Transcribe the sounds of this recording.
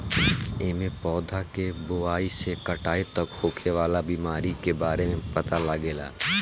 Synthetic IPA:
eːmẽpɔːd̪ʱakeboaːisekɐʈaːet̪ɐkhoːkʰeʋaːlabiːmaːɾikebaːɾemẽpɐt̪alaɡeːla̰ː

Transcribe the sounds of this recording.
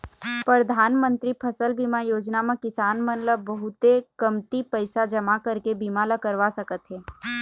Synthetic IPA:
pɾɾəd̪ʱaːnmə̃nt̪ɾipʰɐsəlbiːmajoːd͡ʒnamãkɪsaːnmənləbːɐɦʊt̪ekɐmt̪ipəɪsad͡ʒɐmakɐɾkebiːmalakɐɾʋasɐkət̪ɦɛː

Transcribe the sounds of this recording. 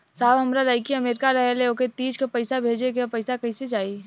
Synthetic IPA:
saːbɦɐmɾalaːɪkiəmeːɾɪkaɾɐɦeleoket̪iːd͡ʒkepəɪsabʱeːd͡ʒeɡepɐɪsakɐɪsed͡ʒaːi

